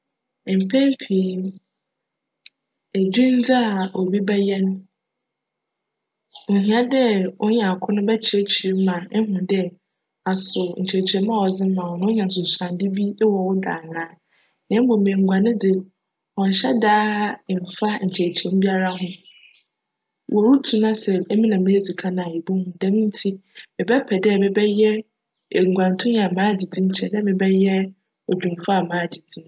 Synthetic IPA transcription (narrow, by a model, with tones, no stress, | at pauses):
m̩˨pʰɛ̃˦m˦pʰi˨˦ | e˨d͡ʑᶣĩ˦n˦d͡zɪ˦a˨o˨bi˦bɛ˦jɛ˦ñ˦˨ | ɦĩ˨a˦dɛ˦ʊ˦ɲã˨kʰʊ̃˦nʊ̃˦bɛ˦t͡ɕʰɛ˨˦˨t͡ɕʰi˨˦m˦mã˨˦ɦʊ̃˨dɛ˦ | a˨sʊ˨ɲ̩˨t͡ɕʰe˨t͡ɕʰɛ˨˦mã˦˨wɔ˨d͡zɪ˦m̩˦mã˨ɔ˨nʊ̃˦ɲã˨n˨s̬ʊ̃˨sã˨ndɪ˦bi˦wɔ˨wʊ˦da̰ː˨nãː˨˦ | nɪ̃˦m˦bɔ˨mẽ˨ŋ̩˨ɡʷã˨nɪ̃˦dɪ˨ | ɔ̃˨n˨ɕɛ˦daː˦˨m˨fa˦ɲ̩˨t͡ɕʰɛ˨t͡ɕʰɛ̃˨m˦bi˦a˦ɾa˦ɦʊ̃˦ | wʔɔ˨ɾu˦tʰũ˦nã˦sɛ˨˦mĩ˦nã˨mɪ̃˦e˦si˨kʰã˦nã˨je˨bu˦hũ˨dɛ̃˨˦mĩ˦n̩˦tʰi˦mɪ̃˨bɛ˦pʰɛ˨dɛ˦˨mɪ̃˨bɛ˦jɛ˦˨ | ŋ˨ɡʷã˨n˨tʰʊ̃˦˨a˨mãː˦d͡ʑi˨dĩ˦ɲ̩˦t͡ɕʰɛ˨dɛ̃˦mɪ̃˨bɛ˦jɛ˦ | ɔ˨d͡ʑᶣũ˨m˨fa˦a˨mãː˦˨d͡ʑi˨dĩ˦m